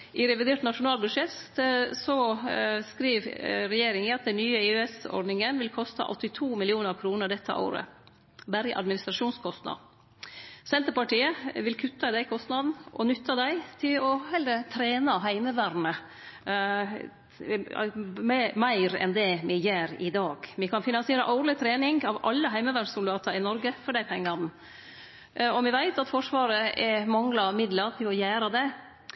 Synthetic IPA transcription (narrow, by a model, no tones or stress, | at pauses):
ʔɪɾɛʋɪd̪eːʈnɑʂʊnɑːlbʉʂɛt̪sɔskɾiːɾɾɛjeːɾɪŋəɑt̪̚d̪ɛnnyːəɪøɛsɔ̰ɖnɪŋənʋɪlkʰɔst̪ɑ̰ʔɔt̪ːɪt̪ʰuːmɪlɪuːnəɾkʰɾuːnəɖ̪ɛt̪ʰːə̰ʔo̰ːɾə̰ | bæɾəʔɑ̰d̪mɪnɪst̪ɾɑʂuːnskʰɔst̪nɑ̰ | sɛnt̪əɾpɑʈiːəʋɪlkʰʉt̪ːɑd̪æɪkʰɔst̪nɑd̪n̩ʔɔ̰nʏt̪ʰːɑd̪æɪt̪ʰɪlɔhɛlɾət̪ʰɾeːnɑɦæɪməʋæːɾnə | mæɪɾɛ̰nd̪ɛmɪjøːɾɪd̪ɑːɡ̥mɪkʰɑnfɪnɑnsɪeːɾə̰ʔɑʊlɪt̪ʰɾeːnɪŋɡɑʋɑ̰lːəɦæɪməʋæːɾsʊld̪ɑːt̪ʰɑɪnɔɾɡəfɔɖæɪpʰɛŋːɑn | ɔmɪʋæɪt̪ɑt̪fɔʂʋɑːɾəɛmɑŋlɑmɪd̪ləɾt̪ʰɪlɔjæːɾɑd̪ɛ